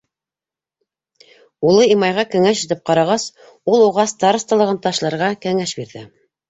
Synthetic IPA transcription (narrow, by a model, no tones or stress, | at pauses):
ulˠɤimɑjʁɑkɵ̆ŋæʃit̪ɘp̚qɑɾɑʁɑs | ulˠuʁɑst̪ɑɾst̪ɑlˠɤ̆ʁɤnt̪ɑʃlˠɑɾʁɑkɘ̆ŋæʃbiɾðɘ